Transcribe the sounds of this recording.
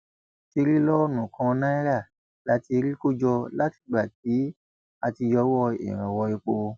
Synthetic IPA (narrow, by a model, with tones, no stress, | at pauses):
ti˧ɾi˦lɔ˦nũ˨kã˧nã˦i˦ɾa˦˨ | la˦ti˧ɾi˦ko˦d͡ʒɔ˧la˦ti̥˧˨ɡ͡ba˨t̚i˨˦ | a˧ti˧jɔ˧˦wɔ˦˧ḛ˨ɾ̃ã˨wɔ˧ji˧k͡po˧